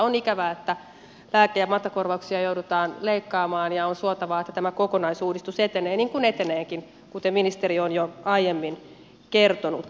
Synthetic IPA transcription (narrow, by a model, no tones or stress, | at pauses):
onikæʋæːet̪ːæ | læːkejæmɑt̪ːɑkorʋɑuksiɑjouɾut̪ɑːnleikːɑːmɑːnjɑonsuot̪ɑʋɑːet̪ːæt̪æmækokonɑisuːdist̪uset̪eneːnniːŋkunet̪eneːŋkin | kut̪emminist̪erionjoɑijemːin | kert̪onṵt̪